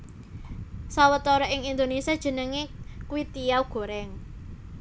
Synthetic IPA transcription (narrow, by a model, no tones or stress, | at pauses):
sawət̪ɔɾɔʔɪŋind̪onesiad̥ʒ̥ə̤nəŋekuwit̪ijawɡ̥o̤ɾɛŋ